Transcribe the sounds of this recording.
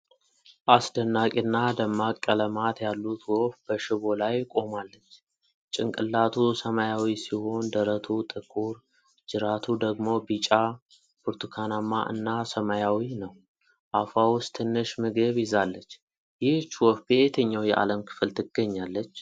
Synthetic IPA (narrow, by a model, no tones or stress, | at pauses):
ʔasd̪ənːakʼinːadəmːakʼːələmat̪jalːut̪ʰwofb̥əʃɨβo̞lajkʼo̞malːət͡ʃː | t͡ʃʼɪŋkʼɨlːat̪ʰusəmajawisiho̞nd̪əɾət̪ʰut̪ʼɨkʼuɾ | d͡ʒɨɾat̪ʰud̪əɡmo̞bit͡ʃʼa | buɾt̪ʰukʰanamːa̰ʔɨ̰nːasəmajawinəw | ʔafawʊst̪ʰɨnːɨʃmɨɡəβjɪzalːət͡ʃː | jɪht͡ʃːwɔfbet̪ʰəɲːawjɛʔa̰ləmkʰɨ̥fɨlt̪ʰɨɡ̥əɲːalːət͡ʃː